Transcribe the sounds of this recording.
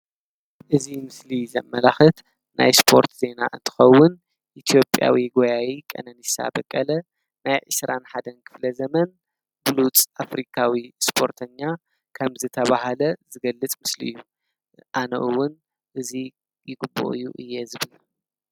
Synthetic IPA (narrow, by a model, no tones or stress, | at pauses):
ʔɨzimɨslizɐ̰mːɐlaxɨt̪ | nʔa̰jspʰo̞̰ɾt̪ze̞naʔɨnt̪ʰɨ̥xɐwːʊn | ʔit̪ʰijo̞pʼja̰wiɡojajikʼɐ̰nɐnisa̰bɐkʼːɐlɐ | najʕɨsɾʔanħad̪ɐnkʰɨ̥flɐzɐmɐn | bɨlut͡sʼafɾikʰawispʰo̞ɾt̪ʰɐɲːa | kʰɐmzɨt̪ʰɐβahalɐzɨɡɐlːɨt͡sʼmɨslḭjːu | ʔanɐ̰ʔɨwːʊn | ʔɨzi | jɪɡɨbːo̰ʔɨjːuʔɨjːɛzɨβɨl